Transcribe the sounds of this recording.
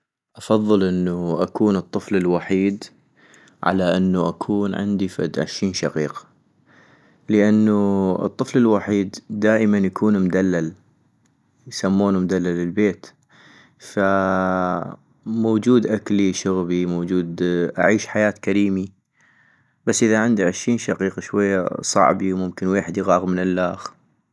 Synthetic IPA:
ʔɑfɑðˤːɨlʔɪnːuʔakuːnɨt̪ˤːɨflɪlwaħiːd̪ | ʕa̰laʔɪnːuʔakʰuːnʕɪ̰nd̪ifa̰d̪ʕɪ̰ʃɾiːnʃaqiːqḁ | ləʔanːuɨ̰t̪ˤːɨflɪlwaħiːd̪ːaːʔəmanjakʰuːnmd̪alːal | jsamːuːnumd̪alːalːɪlbeːt̪ | fa | moːd͡ʒuːd̪ʔakliʃʊɣbimoːd͡ʒuːd̪ʔa̰ʕiːʃħajaːt̪kaɾiːmi | basːʔɪðaʕɪnd̪iʕɪʃɾiːnʃaqiːqɑʃwajːa̰sˤɑ̰ʕbiwmʊmkɪnweːħɪd̪iɣɑːɣmɪnɪlːaːx

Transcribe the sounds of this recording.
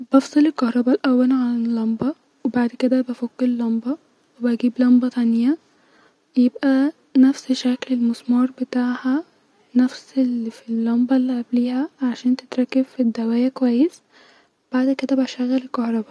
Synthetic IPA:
b̥ɑfsˤɑlelkɑhɾˤɑbælʔæwːælʕanelːɑmbɑ | webaʕd̪ked̪æbæfokːeɾlːɑmbɑ | webæɡiːblɑmbɑt̪ænjæ | jebʔæ | næfseʃæklelmosmɑɾˤbet̪aːʕhæ | næfsefilːɑmbɑlːiʔæbliːhæʕaʃæːnt̪e̥t̪ɾˤɑkːebfid̪ːæwæːjækowæjːes | web̥aʕd̪ked̪æbæʃæɣːælelkɑhɾˤɑbɑ

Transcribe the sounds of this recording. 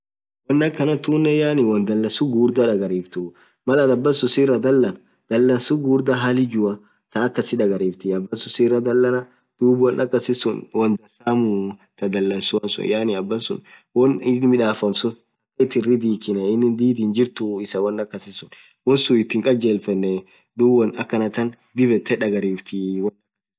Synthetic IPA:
wɔnːɐkːɐnɐt̪uːnːɛjaːnɪwɐnd̪ɐlːɐsʊɡuːɾd̪ɐᶑɐɡɐɾiːft̪ʊ | mɐlɐd̪ɐbːɐsʊsiːrːɐd̪ɐlːɐnɐ | d̪̥ɐlːɐnsʊɡuːɾd̪ɐɦalɪd͡ʒʊɐ | t̪ɐːkːɐsɪᶑɐɡɐɾiːft̪ɪɐbːɐsʊsiːrːɐd̪ɐlːɐnɐ | d̪̥uːbʊwɐnʔɐkːɐsɪsʊnwɔnd̪ɐsamut̪ɐd̪ɐlːɐnsʊɐnsʊ̰njanɪɐbːɐsʊ̰n | wɔnɪmɪᶑaːfɐmsʊn | ɐkːɐɪt̪ːɪrɪd̪iːkɪnɛɪnːɪnd̪iːd̪iːnd͡ʒɪɾt̪ʊɪsɐwɐnːɐkːɐsɪsʊn | wɔsuɪt̪ːɪŋkʼɐd͡ʒeːlfɛnːɛ | d̪uːbɐnɐkːɐnɐt̪ːɐn | d̪ɪbɛt̪ːɛᶑɐɡɐɾiːft̪ʰɪwɔnɐ

